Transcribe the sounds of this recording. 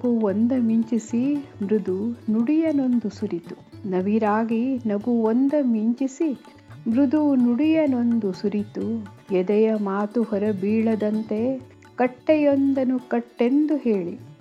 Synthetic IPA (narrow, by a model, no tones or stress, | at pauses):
ɡuond̪ɐmiɲt͡ʃisimɾud̪unuɽijɐno̞nd̪usuɾit̪u̥ | nɐʋiɾaːɡinɐɡuond̪ɐmiɲt͡ʃisi | mɾud̪unuɽijɐno̞nd̪usuɾit̪ujɛd̪ɛjɐmaːt̪uhɔɾɐbiːɭɐd̪ɐnt̪e̞ | kɐʈːɛjond̪ɐnukɐʈːe̞nd̪uhe̞ːɭi